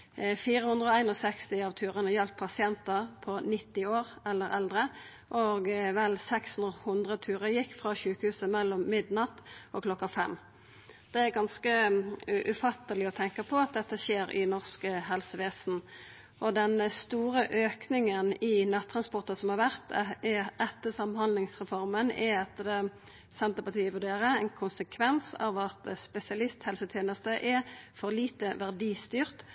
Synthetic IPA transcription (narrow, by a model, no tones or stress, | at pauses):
fiːʁəhʉnd̪ʁəɔæɪnɔsɛkst̪ɪɑʋt̪ʰʉːʁənɑjɛlt̪̚pʰɑsɪɛnt̪əpʰɔnɪt̪ːɪoːʁɛlːəɾɛld̪ʁə | ʔoɡʋɛlsɛkshʉnd̪ʁəhʉnd̪ʁət̪ʰʉːʁəjɪkːfʁɑɕʉːkəhʉːsəmɛlːɔmːɪd̪nɑt̪ʔɔkʰlɔkːɑfɛ̰mː | d̪̥ɛæɾɡɑnskəʔʉfɑt̪ːəlɪɔt̪ʰɛŋkəpʰɔɑt̪̚d̪ɛt̪ːəʃeːɾɪ̰nɔʁskəɦɛlsəʋeːsn̩ | ʔɔd̪ɛnst̪uːʁəʔøːknɪŋənɪnɑt̪ʰːɾɑnspɔʁt̪ɑsɔmhɑʁʋæʁt̪ | ɛt̪ːəsɑmhɑnd̪lɪŋsʁɛfɔʁmənɛɛt̪ːəd̪ɛ | sɛnt̪əpɑt̪iːəʋʉɾɖeːɾəɛnkʰʊnsəkʰʋɛnsɑ̰ʋɑt̪spɛsɪɑlɪst̪hɛlsət̪ʰjeːnəst̪əʔɛfɔʁliːt̪əʋæʁd̪iːst̪yːʁt̪